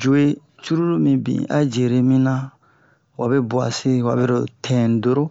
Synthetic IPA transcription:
d͡ʒu˨e˦ | t͡ʃu˦ɾu˦ɾo˦mĩ˨bḭ̃˨a̰˦d͡ʒe˨ɾe˦mĩ˦nã˦ | wa˨be˦bu˨a̰˨se˦wa̰˨be˦ɾo˨tʰɛ̃˨n˨do˨ɾo˦

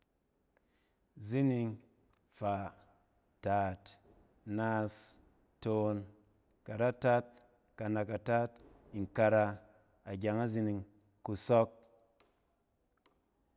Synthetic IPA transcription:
zi˦ni˧ŋ | fa˨ | ta˨t | naː˦˧s | to˨˧n | ka˨ɾa˦ta˦t̚ | ka˧na˧ka˨ta˦t̚ | i˨ŋ˨ka˧ɾa˧ | a˨ɡʲa˧ŋa˦zi˧ni˧ŋ | ku˧sɔ˦k̚

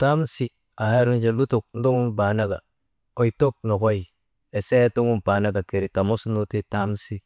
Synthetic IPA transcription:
ta˦msi˦ | a˨ha˦ɾu˦nd͡ʒe˨lu˦tu˨k̚n̩˦do˦ŋu˦nba˨na˦ɡa̰˨ | o˨i˨to˦k̚no˨ko˦ji˨ | e˨se˦to˦ŋu˦npa˨na˦ɡa˨ke˨ɾi˨ta˨mo˦sno˦ti˦ta˦msi˦

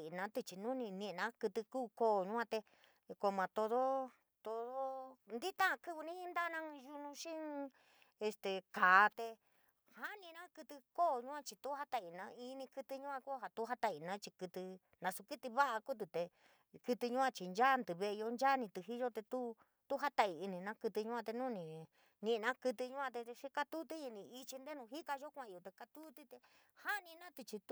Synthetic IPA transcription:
i˨nã˨˧˦t̪e˧t͡ʃi˨nũ˦nĩ˧nĩ˧ʔnã˦kɨ˧t̪ɨ˧kuː˦˧ko˦˨ɲũ˦ã˧t̪e˧ | ko˧˨mã˨t̪o˧ðo˦ | t̪o˧ðo˦nd̪i˦t̪ã˦˧kɨ˧βɨ˧nĩ˦i˧˦nd̪a˦˧nã˦˧ʒu˧nũ˧ʃĩ˦˧ | e˧st̪e˨kaː˨˦t̪e˧ | ha˦nĩ˧nã˦kɨ˧t̪ɨ˧ko˦˨ɲũ˦ã˧t͡ʃi˧t̪u˦ha˦t̪a˧i˨nã˨˧i˧˦nĩ˧kɨ˧t̪ɨ˧ɲũ˦ã˧ku˦ɦa˧t̪u˦ɦa˦t̪a˧˨i˨nã˨˦t͡ʃi˧kɨ˧t̪ɨ˧ | nã˧su˧ki˦t̪i˧βa˦ʔa˧ku˦t̪̬ɨ˨t̪e˧ | kɨ˧t̪ɨ˧ɲũ˦ã˧t͡ʃi˨nd͡ʒa˦nd̪ɨ˨βe˧ʔe˧o˧nd͡ʒa˦nĩ˧t̪ɨ˧ɦi˦ʒo˦t̪e˧t̪u˦ | t̪u˦ɦa˦t̪a˧ʔi˨i˧nĩ˨˧nã˦kɨ˧t̪ɨ˧ɲũ˦ã˧t̪e˧nũː˦nĩ˧˨ | nĩ˧nã˦kɨ˧t̪ɨ˧ɲũ˦ã˧t̪e˧ʃi˦ka˧t̪u˦t̪i˦i˧nĩ˧i˧t͡ʃi˧nd̪e˦nũ˧ɦi˦ka˧ʒo˦kʷã˧˨˧jo˨t̪e˧ka˧t̪u˦t̪i˦t̪e˧ | ha˦˧nĩ˧nã˦t̪i˧t͡ʃi˧t̪

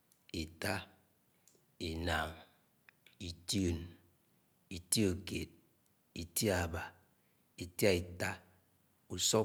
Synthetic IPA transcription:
i˨ta˦ | e˨na˨ŋ | i˨ti˦o˨n | i˨ti˦o˨kḛ˨t̚ | i˨ti˦a˨ba˨ | i˨ta˦˨i˨ta˦ | u˨sɔ˦

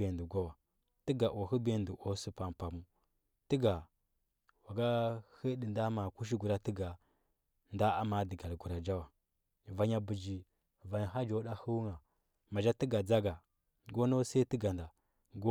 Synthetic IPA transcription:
e˨ndu˨ɡʷa˦wa˨ | ti˦ɡa˨ʔo˨hə˦be˦˨ndu˨ʔo˦su˦pa˨m˨pa˨mu˦ | tə˦ɡa˨ | wa˨ɡa˦hə˦ɗi˨nda˦ma˨ku˦ʃ̬i˦ɡu˨ɾa˦ti˦ɡa˨ | nda˦a˦ma˨di˨ɡa˨lɡu˨ɾa˨d͡ʒa˦wa˨ | va˨ɲa˨bu˨d͡ʒi˨ | va˨ɦa˦d͡ʒo˦ɗa˦hu˦wu˦ŋa˨ | ma˨d͡ʒa˦ti˦ɡa˨d͡za˦ɡa˨ | ɡo˦no˦sa˦ti˦ɡa˨nda˨ | ɡo˦

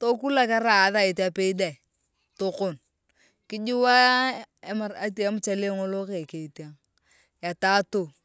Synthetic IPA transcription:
to˦ku˦la˦ka˦ɾa˨˦ða˦e˨ta˨pe˦i˦da˨ | to˦ko˦˨n | kɪ˦d͡ʒi˦wa˦e˦ma˨ɾa˦ta˦mʊ˦t͡ʃa˨le˦ŋo˦lo˦ke˨ke˨i˨ti˦a˦ŋ | ja˨ta˦to˨

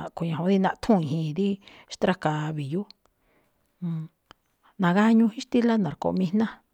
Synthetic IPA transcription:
ku˨ɲã˨õ˧˦ði˧nã˧t̪ʰũ˦˨ĩ˨ɦĩ˧˨˧ði˦ | ʃt̪ɾa˧ka˧˨βi˨ju˦˨˧ | nã˨ɣa˦ɲũ˧hĩ˦ʂt̪i˦la˦nã˨ɾko̰˨˧mĩ˧nã˦

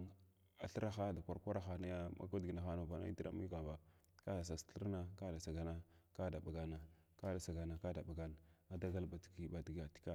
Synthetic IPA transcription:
a˨ɬə˦ɾa˦xa˦da˨kʷa˨ɾkʷa˦ɾa˦xa˨na˦ja˦ma̰˨ka˦di˨na˨xa˦na˨va˨na̰˦ḭ˦ti˦ɾa̰˨mi˦ka˨ba˨ | ka˦da˨s̬a˨sɬə˦ɾna˦ka˦da˨sa˨ɡa˨na˦ka˦da˨ba˨ɡa˨na˨ | ka˦da˨sa˨ɡa˨na˨ka˦da˨ɓa˨ɡa˨˦na˨da˦ɡa˦lba˨ti̥˨ki˨ba˨di˨ɡja˨ti̥˦ka˦

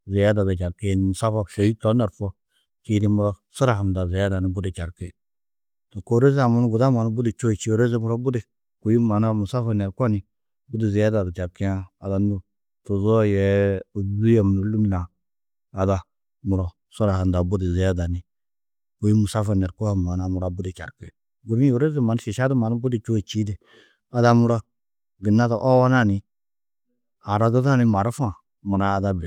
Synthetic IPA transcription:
zi˨ja˦da˨da˨t͡ʃa˨ɾke˦n˨mu˨sa˦fa˦˨ʃa˨ji˦to˨˦na˨ɾfɔ˦ | t͡ʃi˦di˦mu˦ɾo˦su˦ɾa˨ɦa˨nda˨ze˨ja˦da˨ni˨bu˦di˨t͡ʃa˨ɾki˦ | to˨ko˦ɾe˦za˨mu˦n˦ɡu˨da˦ma˨na˦bu˦di˨t͡ʃo˦i˨t͡ʃi˦˨˦ɾe˦ze˦mu˨ɾo˦bu˦de˨ | ku˨ji˦ma˨na˦mu˨sa˦fa˦nɛ˨ɾkʷa˦ni˦ | bu˦di˨zi˨ja˦da˨da˨t͡ʃa˨ɾki˦a˦a˨da˨n˦u˦ | tu˨zo˦jɛ˨˦˨ | u˦ja˨m˨nu˨lu˦m˦laː˨ | da˦ | mu˨ɾo˨ | so˦ɾa˨ha˨nda˨bu˦di˨ze˨ja˦da˨ni˨ | ko˦i˦mu˨sa˦fa˨ne˨ɾko˦ha˨m˨a˨na˨mu˨ɾa˦bu˦di˨t͡ʃa̰˨ɾke˦˨ | ɡu˨ɾi˦u˨ɾe˦zi˦ma˨n˦ʃi˨ʃa˦du˦ma˨n˦bu˦di˦˨t͡ʃu˦˨t͡ʃi˦de˨ | a˨da˦mu˦ɾa˦ | bi˨nːa˦da˨ʔo˦wa˦na˦˨ni˨ | a˨ɾa˦ɡə˦za˦ni˦ma˨ɾa˦fa˦˨ | mu˨ɾa˦a˦da˦bi˨

